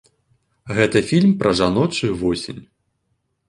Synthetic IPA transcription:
ɣɛt̪ɐfʲilʲmpɾʔɐʐanɔt͡ʂujuvɔsʲenʲ

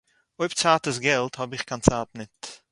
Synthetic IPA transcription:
oɪpt͡saːtəs̬ɡɛlˠthɔbɪχkʰant͡saːtnɪt

